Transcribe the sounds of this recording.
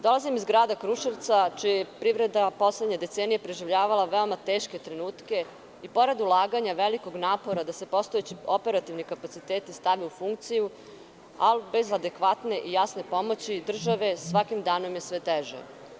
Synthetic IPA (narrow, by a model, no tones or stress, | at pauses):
d̪o̞lˠazimizɡɾaːd̪akɾuʃeɾt̪sat͡ʃijjepɾiʋɾe̞d̪apo̞sled̪ɲed̪e̞t̪seːnijepɾeʒiʋʎaːʋalaʋeo̞mat̪eːʃke̞t̪ɾe̞nuːt̪ke̞ | ipo̞ɾed̪ulˠaːɡaɲaʋeliko̞ɡnaːpo̞ɾad̪ase̞po̞st̪oet͡ɕio̞pe̞ɾat̪iʋnikapat̪sit̪eːt̪ist̪aʋiufuŋk̚t̪siju | albe̞zad̪e̞kʋat̪ne̞ʔijasne̞po̞mo̞t͡ɕid̪r̩ʒaʋe̞sʋakimd̪aːno̞mje̞sʋet̪eʒḛ